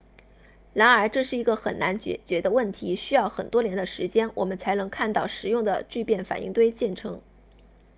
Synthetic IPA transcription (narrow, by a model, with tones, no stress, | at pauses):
ɻa˧˥nə˞˧˥ʈ͡ʂɤ˥˧ʂɻ̩˥˩i˧˥ɡə˧xə̰˨˩nna˧˥nt͡ɕɛ̰˧˩t͡ɕɥɛ˧˥d̪ə˧wə˥˩nt̪ʰi˧˥ɕy˥jɑ˥˩ʊxə˨˩nt̪wɔ˥ljɛ˧˥nd̪ə˧ʂɻ̩˧˥t͡ɕjɛ˥nwʔɔ̰˨˩mə˦nt͡sʰa˧˥ɪnɤ˧˥ŋkʰa˥˧nt̪ɑ˥˩ʊʂɻ̩˨˧˦jʊ˥˩ŋd̪ə̰˩t͡ɕy˥˧pjɛ˥˩nfa̰˨˩nʔḭ˥˧ŋt̪we˥ɪt͡ɕjɛ˥˩nʈ͡ʂʰɤ˧˥ŋ